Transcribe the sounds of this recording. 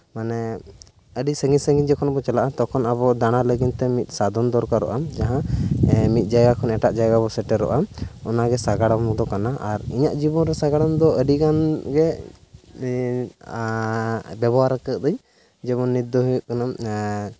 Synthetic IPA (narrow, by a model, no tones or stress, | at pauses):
manɛ | əɖisəŋɡisəŋɡiɲd͡ʒɛkʰɔnabɔt͡ʃɛlaʔat̪ɔkʰɔnaβɔd̪aɽ̃aləɡint̪ɛmit̪̚ˀsad̪ɔnd̪ɔɾkaɾɔ̰ʔad͡ʒaɦã | mit̪̚ˀd͡ʒajɡakʰɔnɛʈaʔd͡ʒajɡabɔsɛʈɛɾɔ̰ʔaɔnaɡɛsaɡaɽamd̪ɔkanaʔaɾiɲaʔd͡ʒibɔnɾɛsaɡaɽamd̪ɔəɖikanɡɛ | bɛbɔwaɾakək̚d̪əɲ | d͡ʒɛβɔnːid̪ɔɦujuʔkanam